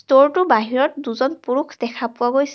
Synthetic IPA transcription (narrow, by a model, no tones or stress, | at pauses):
stoɹtʊbaɦiɹɔt̚duzɔnpuɹukʰd̥ɛkʰapʊaɡojs